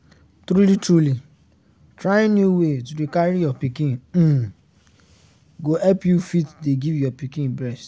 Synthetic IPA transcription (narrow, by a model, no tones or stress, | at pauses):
tɾulitɾuli | tɾajɪ̃njuwetuɾikaɾijɔpikĩn̩ | ɡoɛpjufitdeɡivjɔpikĩnbɾɛst